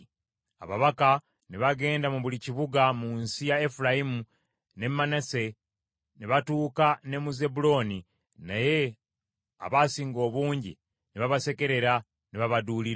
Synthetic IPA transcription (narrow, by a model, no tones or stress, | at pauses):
a̰βaβaka | neβaɡe̞ːndamuβuliciβuɡamunsijaefulajimu | ne̞mːanase̞ | neβatuːkane̞muze̞bulo̞ːni | naje̞ | a̰βasiːŋɡo̞ːβuːɲɟḭ | neβaβase̞ke̞ɾe̞ɾa | neβaβaduːliɾ